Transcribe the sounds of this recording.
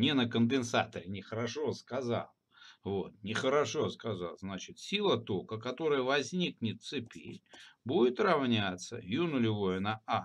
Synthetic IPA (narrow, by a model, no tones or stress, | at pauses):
nʲenəkənd̪ɪnsa̰t̪əɾʲɪnʲɪxəɾɐʂo̞skɐza̰lˠ | vo̞t̪̚nʲɪxəɾɐʂo̞skaza̰lˠznat͡ɕɪt̪sʲilˠət̪okəkɐt̪o̞ɾəjəvɐzʲnʲiknʲɪt̪̚sɨpʲḛlʲbudʲɪt̪rɐvnʲat̪sə̰junʊlʲɪvojənɐa